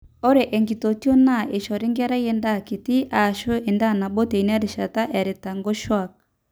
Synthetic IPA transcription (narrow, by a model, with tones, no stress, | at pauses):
o˦ɾe˨ʔɛ˨ŋɡi˨to˨tjo˦na˦˨e˨ʃɔ˨ɾe˦ŋɡɛ˦ɾa˦je˦nda˦˨ke˨ti˦ʔa˨ʃo˦e˨nda˦˨na˨bo˦te˨i˨n˦a˦ɾe˨ʃa˨ta˦ʔɛ˨ɾe˨ta˨ŋɡo˦ʃwa˦˨k̚